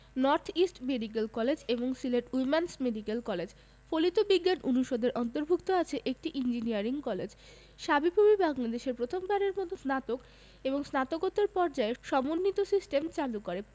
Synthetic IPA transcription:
nɔɾt̪ʰisʈmeɖik̬elkɔled͡ʑeboŋsileʈumansmeɖikelkɔled͡ʑ | folit̪obiɡːanunuʃod̪ʱeɾʔɔnt̪oɾbʱukt̪oat͡ɕʰeʔek̚ʈiʔind͡ʑiniaɾiŋkɔled͡ʑ | ʃabipobibaŋlad̪eʃeɾpɾot̪ʰombaɾeɾmɔt̪ʰosnat̪ok | eboŋsnat̪okot̪ːeɾpɔɾd͡ʑaeʃɔmonːit̪osisʈemt͡ɕalukoɾe

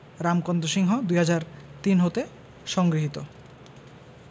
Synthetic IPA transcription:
ɾamkɔnd̪oʃiŋɦod̪ujɦad͡ʑaɾt̪inɦot̪e | ʃɔŋɡɾiɦit̪o

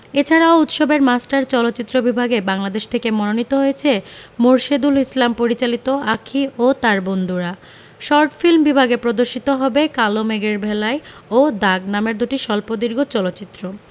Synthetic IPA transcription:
et͡ɕʰaɾaout̪ʃobeɾmasʈaɾt͡ɕɔlot̪ːt͡ɕit̪ːɾobibʱaɡebaŋlad̪eʃt̪ʰekemɔnonit̪oɦojet͡ɕʰemoɾʃed̪ulislampoɾit͡ɕalit̪oakʰiot̪aɾbond̪uɾa | ʃɔɾʈfilmbibʱaɡepɾod̪oɾʃit̪oɦɔbekalomeɡeɾbʱelaeod̪aɡnameɾd̪uʈiʃɔlpod̪iɾɡot͡ɕɔlot̪ːɕit̪ːɾo

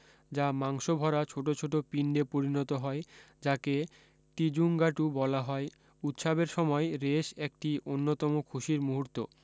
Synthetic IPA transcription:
d͡ʑamaŋʃobʱɔɾat͡ɕʰoʈot͡ɕʰoʈopiɳɖepoɾinɔt̪oɦɔe | d͡ʑake | ʈid͡ʑuŋɡaʈubɔlaɦɔe | ut̪ʃabeɾʃɔmɔeɾeʃek̚ʈionːot̪ɔmokʰuʃiɾmuɦuɾt̪o

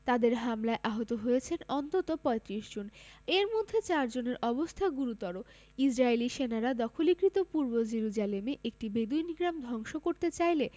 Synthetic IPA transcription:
t̪ad̪eɾɦamlaeʔaɦot̪oɦojet͡ɕʰenɔnt̪ot̪opɔet̪ɾiʃd͡ʑoneɾmod̪ʱːet͡ɕaɾd͡ʑoneɾʔɔbost̪ʰaɡuɾut̪ɔɾo | id͡ʑɾaeliʃenaɾad̪ɔkʰolikɾit̪opuɾbod͡ʑeɾud͡ʑalemeʔek̚ʈibed̪uniɡɾamd̪ʱɔŋʃokoɾt̪et͡ɕajle

